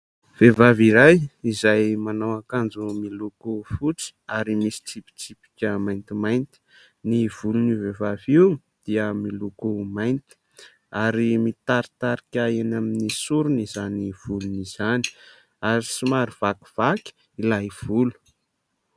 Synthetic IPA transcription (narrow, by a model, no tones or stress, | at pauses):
v̥evaviɾajizajmanawakand͡zumilukufut͡si̥aɾimisi̥ʈ͡ʂipi̥t͡sipi̥kʲəmajnt̪imajnt̪i̥ | niv̥ulunivevaviw | d̪̥iəmilukumajnt̪i̥ | aɾimit̪aɾit̪aɾikʲaenaminisuɾunizaniv̥uluniz̥ani̥ | aɾisimaɾiv̥aki̥v̥aki̥ | ilav̥ulu̥